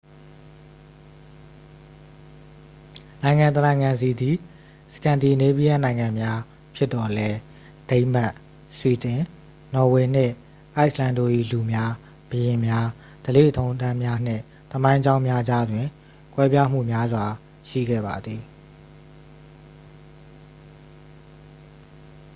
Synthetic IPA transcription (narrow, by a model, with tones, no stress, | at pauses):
nã˨ɪ̃ŋã˨t̪ənã˨ɪ̃ŋã˨nzi˨d̪i˨ | sə̥kã˨nd̪i˨ne˦bi˦ja˦˨nã˨ɪ̃ŋã˨mja˦ | pʰjɪ˦t̪ːɔ˨lɛ˦ | d̥ẽ˦ɪ̃ma˦ʔ | swi˨t̪ɪ̃˨ | nɔ˨we˨n̥ɪ̰̃˦˨ | ʔa˦ɪʔlã˦ndo̰˦˨ʔḭ˦˨lu˨mja˦ | b̥əjɪ̃˨mja˦ | d̥əlḛ˦˨ʔətʰõ˦ʊ̃ntã˦mja˦n̥ɪ̰̃˦˨ | t̪əmã˦ɪ̃ɲd͡ʑã˦ʊ̃mja˦d͡ʑa˦dwɪ̃˨ | kwɛ˦pja˦m̥ṵ˦˨mja˦zwa˨ | ʃḭ˦˨ɡɛ̰˦˨ba˨d̪ði˨